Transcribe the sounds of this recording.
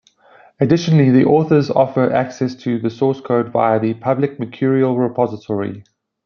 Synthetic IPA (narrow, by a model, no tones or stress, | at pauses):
ədɪʃənəliðiʔɔːˑθəzɔ̰fəʔæksɛstʰəðəsɔːˑskʰoʊdva̰ɪəðəpʰʌblɪk̚mətʰɔɹiəlˠɹɪpʰɒzɪtʰɔɹḭ